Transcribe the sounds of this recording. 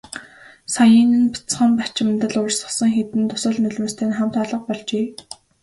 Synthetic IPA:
sajə̆n̆npi̥t͡sχə̆mpat͡ɕɪ̆mt̪ə̆ɮʊrsə̆sə̆ŋxet̪ɘ̆nt̪ʊsə̆ɮnɵɮmŏːst̪ʰeːnχam̥t̪aɮə̆q̚pɔɮt͡ɕeː

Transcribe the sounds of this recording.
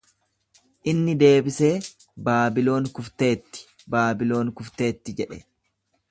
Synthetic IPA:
ʔɪnːɪd̪e̞ːbɪse̞ː | baːbɪlo̞ːŋkʊft̪e̞ːt̪ːɪ̥ | baːbɪlo̞ːŋkʊft̪e̞ːt̪ːɪd͡ʒɛᶑɛ

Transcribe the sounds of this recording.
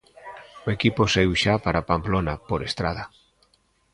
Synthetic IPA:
oekiposeiwʃapaɾapamplonapoɾest̪ɾaða

